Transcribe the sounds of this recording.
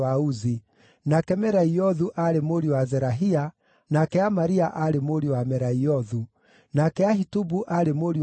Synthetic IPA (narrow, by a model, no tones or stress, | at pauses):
auzi | nakɛmɛɾaiɔðuʔaɾemoɾiwazɛɾaɦia | nakɛamaɾiaʔaɾemoɾiwamɛɾaiɔðu | nakɛahitubuʔaɾemoɾi